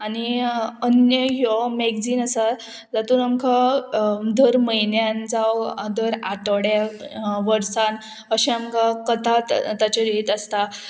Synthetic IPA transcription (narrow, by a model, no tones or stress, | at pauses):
aniənjəɦɔmɛɡd͡ziːnəsa | d͡zat̪uːnamkʰa | d̪əɾməjnjand͡zawd̪əɾaʈəɽjaʋəɾsan | əɕɛamkakət̪at̪t̪at͡ɕeɾeʈ̪əst̪a